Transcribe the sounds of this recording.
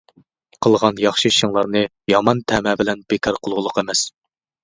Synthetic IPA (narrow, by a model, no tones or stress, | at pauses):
qʰəlˠʁɑnjɑχʃɨʃəŋlˠɑɾnɨ | jɑmɑnt̪ʰɛmɛbɪlɛnbekʰʲɑɾqʰʊlˠʁʊlˠʊqɛmɛs